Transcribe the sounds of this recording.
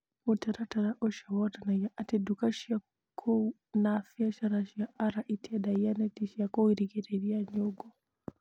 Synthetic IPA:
utaɾataɾaʔɔʃawɔtanajaʔatɛdukaʃia | kʰɔ | nafiaʃaɾaʃiaʔaɾaʔitiadajanɛtiʃiakɔwiɾikɛɾɛɾiaɲɔɡɔ

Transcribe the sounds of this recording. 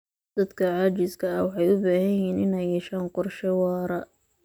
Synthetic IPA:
d̪̥ɐd̪kʰɐʕɑːt͡ʃɪskʰɐɐwɑħɑjʊbaːhɐjhɛːnɪnɛjɛʃaːnqɔrʃɛwɑːɾɐ

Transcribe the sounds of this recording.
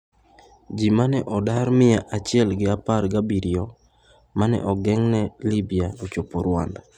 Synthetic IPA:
d͡ʒimanɛʔɔdarmɪjaʔat͡ʃɪɛlɡɪaparɡabiɾɪjɔ | manɛ̰ʔɔɡɛŋnɛlibijaot͡ʃopoɾwa̰nda

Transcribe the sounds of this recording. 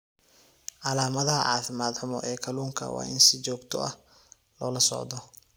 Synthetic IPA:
ʕɑlaːmɐðɐɦɐ̰ʕɑːfɪmaːd̪ħʊmɔ̰ʔɛːkʰɐluːŋkʰɐ̰wɑ̰ːʔɪnsɪt͡ʃɔːɡt̪ʰɔʔɐ̰h | lɔːlɐsɔ̰ʕd̪ɔ

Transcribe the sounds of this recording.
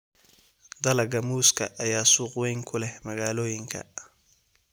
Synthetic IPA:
d̪ɐlɐɡɐmuːskʰɐ̰ʔɐjaːsuːqwɛjŋkʰʊlɛmɐɣaːlɔːjɪŋkʰɐ̰

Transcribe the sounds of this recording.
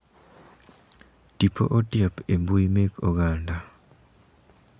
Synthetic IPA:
d̥ipʰo̰ʔodijapembuimekoɡaːnda

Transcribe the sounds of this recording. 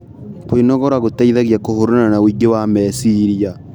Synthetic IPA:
koinɔɣɔɾwaɣotaiðaɣjakohoɾonanawiɡewamɛsiɾia

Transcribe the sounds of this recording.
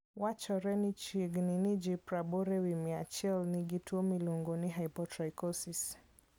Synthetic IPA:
wat͡ʃɔɾɛnit͡ʃiɡninid͡ʒipɾabɔɾɛwimiat͡ʃɛlniɡituɔmiluŋɡɔniɦaipɔtɾajkɔsis

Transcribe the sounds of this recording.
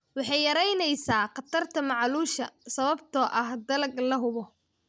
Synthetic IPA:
wɑħɑjːɐɾɛjnɛjsaːqɑt̪ʰɐrt̪ʰɐmɑʕluːʃɐsɐβɐbt̪ʰɔːʔɐhd̪ɐlɐɡlɐɦʊβɔ

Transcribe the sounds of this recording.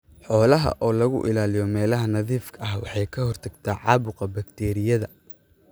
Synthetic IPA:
ħɔːlɐɦɐ̰ʔɔːlɐɣʊ̰ʔɪlaːlɪjɔmɛːlɐɦɐnɐðiːfkʰɐɐɦwɑ̰ħɑjkʰɐhɔrt̪ʰɐɡt̪ʰaːʕɑːβʊqɐbɐkt̪ʰɛːɾɪjɐðɐ

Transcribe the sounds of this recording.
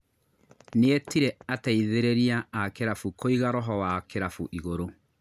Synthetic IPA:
neetiɾeataiðeɾeɾiaakeɾafukʰoiɣaɾɔɦɔwakeɾafuʔiɣoɾo

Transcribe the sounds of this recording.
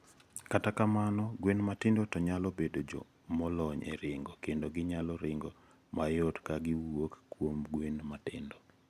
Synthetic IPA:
katakamanɔɡwenmatɪndotɔɲalɔbedod͡ʒɔ̰ | mɔlɔɲḛɾɪŋɡɔkendoɡɪɲalɔɾɪŋɡɔ | majɔtkaɡɪwokːwomɡwenmatɪ̰ndo

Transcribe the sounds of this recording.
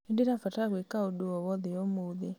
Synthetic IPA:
edeɾafataɣwekaodoɔβɔðejɔmoðe

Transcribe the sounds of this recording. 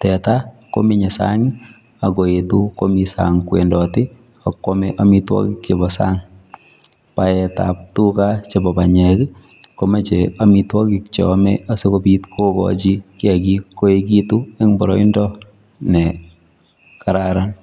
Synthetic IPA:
tɛtako̰miɲesa̰ŋi | akoetukomisa̰ŋkwḛndɔtɪ | akːomɛʔamitwɔ̰kɪk̚t͡ʃebɔsa̰ŋ | paɛta̰p̚tukat͡ʃebɔbaɲɛk | komet͡ʃeamitwɔkɪk̚t͡ʃemɛ̰asekopitkʰokɔ̰t͡ʃikɪɛkikoekitueŋbɔɾɔindɔ | nɛ | kaɾaɾan

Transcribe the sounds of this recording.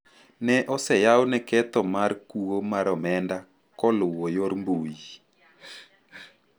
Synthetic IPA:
nɛʔɔsɛjawnɛkɛt̪ɔmarkuwomaɾɔmɛnda | kɔlʊwɔjoɾmbuji

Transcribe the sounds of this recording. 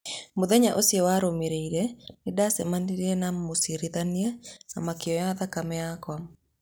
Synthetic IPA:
moðɛɲaʔosiewaɾomeɾeiɾɛnɪdasɛmaniɾenamosiɾiðaniɛna̰makɪɔjaðakamɛakwa

